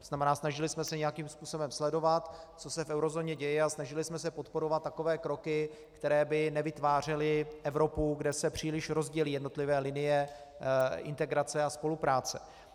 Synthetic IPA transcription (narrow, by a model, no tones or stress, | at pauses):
oznamɛnaːsnaʒɪlɪsmɛsɛɲɛjakiːmspuːso̞bɛmslɛdo̞vat̪t͡so̞sɛfʔɛwɾo̞zoːɲɛɟɛjɛasnaʒɪlɪsmɛs̬ɛpo̞t̪po̞ɾo̞vat̪ːako̞vɛːkɾo̞kɪ | kt̪ɛɾɛːbɪnɛvɪt̪vaːr̝ɛlɪʔɛvɾo̞puɡdɛsɛpr̝̥iːlɪʃɾo̞zɟɛliːjɛdno̞t̪lɪvɛːlɪnɪjɛ | ɪ̰nt̪ɛɡɾat͡sɛaspo̞lupɾaːt͡sɛ